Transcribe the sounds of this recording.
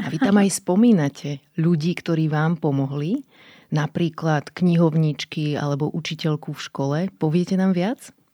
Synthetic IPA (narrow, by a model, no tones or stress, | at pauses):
aʋit̪amajspɔmiːnacʰɛ | ʎuɟiːkt̪ɔɾiːʋaːmpɔmɔɦli | napɾiːklat̪kɲiɦɔʊɲit͡ʃkia̰lɛbɔʔut͡ʃicɛʎkufʃkɔlɛpɔʋɪɛcɛnaːmʋɪat͡s